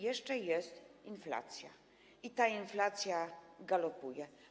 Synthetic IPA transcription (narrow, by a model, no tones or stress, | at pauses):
jɛʂt͡ʂɛjɛst̪infla̰t̪sʲja | it̪ainflat̪sʲjaɡalɔpujɛ